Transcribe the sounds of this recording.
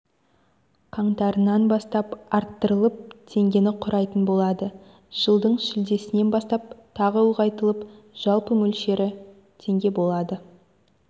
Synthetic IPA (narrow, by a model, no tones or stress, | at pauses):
qʰɑɴt̪ɑɾənɑnbɑst̪ɑpɑɾt̪ːəɾəlˠəp̚t̪ʰe̞ŋɡʲe̞nɪqʰʊɾɑjt̪ənbo̞lˠɑd̪ə | ʒ̥əlˠd̪əɴʃɪld̪e̞sɪne̞nbɑst̪ɑp̚t̪ʰɑʁəuʁɑjt̪əlˠəp | ʒ̥ɑlˠpəmɵlʃe̞ɾɪ | t̪ʰe̞ŋɡʲe̞bo̞lˠɑd̪ə